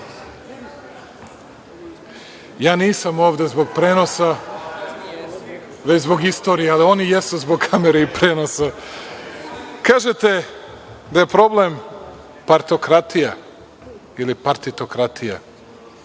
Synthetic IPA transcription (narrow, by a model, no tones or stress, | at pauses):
jaːniːsamo̞ːʋd̪e̞zbo̞ɡ̚pɾe̞ːno̞sa | ʋet͡ɕzbo̞ɡist̪o̞ɾijealio̞nijesuzboɡ̚kʰameɾeipɾeːnosa | kaːʒet̪e | d̪ajepɾo̞blem | paɾt̪o̞kɾat̪ija | ilipaɾt̪it̪okɾat̪ʰija̰